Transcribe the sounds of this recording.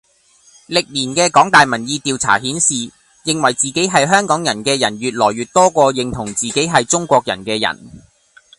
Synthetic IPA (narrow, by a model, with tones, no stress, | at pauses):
lɪ˨k̚liː˨˩nkɛː˧kɔː˨˥ŋt̪aː˨jmɐ˨˩njiː˧t̪iː˨wt͡sʰa̰ː˨˩hiː˨˥nsiː˨ | jɪ˨ŋwɐ˨˩jt͡siː˨ke˨˥jɦɐ˨jɦœː˥ŋkɔː˨˥ŋjɐ˨˩nkɛː˧jɐ˨˩nɥyː˨t̚lɔː˨˩jɥyː˨t̚t̪ɔː˥kʷɔː˧jɪ˨ŋt̪ʰʊ˨˩ŋt͡siː˨ke˨˥jɦɐ˨jt͡sʊ˥ŋkʷɔː˧k̚jɐ̰˨˩nkɛː˧jɐ̰˨˩n